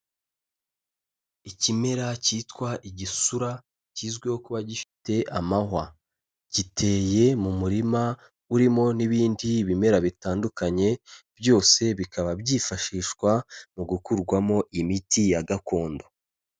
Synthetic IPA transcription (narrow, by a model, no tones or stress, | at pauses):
icime̞ɾaciːtkwaʔiɟisuɾa | ciːzɡwehokuβaɟifi̥te̞ʔamaɦa | ɟitʰe̞ːje̞mumuɾima | uɾimo̞niβiːndiβime̞ɾaβitaːndukaɲe̞bjo̞ːse̞βikʰaβabɟiːfaʃiːʃkwamuɡukuɾɡwamo̞ʔimitijaɡako̞ːndo̞